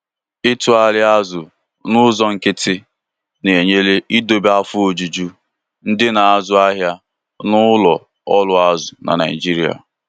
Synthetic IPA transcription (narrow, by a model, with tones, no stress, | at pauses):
ɪ˦tʊ˨a˨lɪ˦a˦zʊ˨ | nʊ˦zɔ˦ŋ̩˨kɪ˦tɪ˦ | ne˨ɲe˦le˦i˦do˨ba˦fʊ˦o˨d͡ʒu˨d͡ʒu˦ | n̩˦dɪ˦na˨a˦˨zʊ˦a˦ɦja˦ | nʊ˦lɔ˨ | ɔ˦lʊ˦a˦zʊ˨na̰˨na̰˨ḭ˨d͡ʒi˦ɾi˦a̰˨